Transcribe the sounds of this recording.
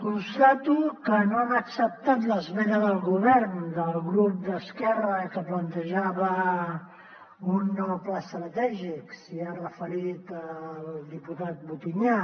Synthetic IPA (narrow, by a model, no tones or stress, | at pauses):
kunst̪at̪ukənoaməksəp̚t̪at̪ləzβɛðəðəlˠɣuβɛɾnd̪əlˠɣɾup̚d̪əskɛrəkəplənt̪əʒaβə | unːɔwplast̪ɾət̪ɛʒiksiaɾəfəɾit̪əlld̪iput̪at̪̚but̪iɲa